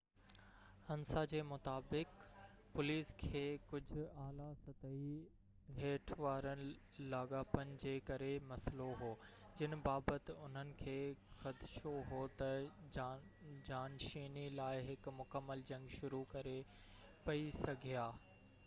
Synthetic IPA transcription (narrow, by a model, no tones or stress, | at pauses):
hɐ̃nsad͡ʑeːmʊt̪aːbɪk | pʊliːskʰeːkʊd͡ʑʱʊ̆aːlasɐt̪əi | ɦeːʈʰʋaːɾənɪ̆ | laːɠaːpənɪ̆d͡ʑeːkɐɾemɐsloɦoː | d͡ʑɪn̆baːbət̪ɪʊn̤ənɪ̆kʰeːxɐd̪ɪʃoɦoːt̪ɐ | d͡ʑaːnʃiːnilaːɪɦɪkmʊkəmːəld͡ʑɐ̃ŋɡʃʊɾukɐɾe | pɐisɐɡʱijaː